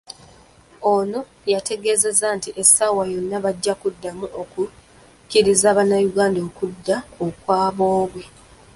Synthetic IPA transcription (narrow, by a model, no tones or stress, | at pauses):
ono̞ | jate̞ɡe̞ːze̞zantiʔesːawajo̞nːaβaɟːakudːamuoku | ciɾizaːβanajuɡaːndoːkudːaokwaːβo̞ːβwe